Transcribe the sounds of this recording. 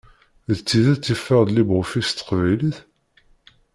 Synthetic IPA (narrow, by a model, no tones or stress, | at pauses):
ðt͡sːiðæt͡sːifːəʁðlibʁʊfist̪ːə̥qvæjliθ